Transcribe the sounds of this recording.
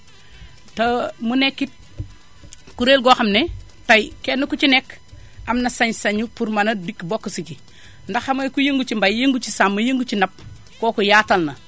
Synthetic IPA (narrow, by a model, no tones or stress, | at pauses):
tɐmunekːit̚ | kuɾeːlɡoːxɐmne | tɐjkenːukut͡ʃinek | ɐmnɐsɐɲsɐɲupuɾmɐnɐdikbokːsici | ndɐxɐmɐkujeŋɡut͡ʃimbajjeŋɡut͡ʃisamːɐjeŋɡut͡ʃinɐp̚ | koːkujaːtɐlnɐ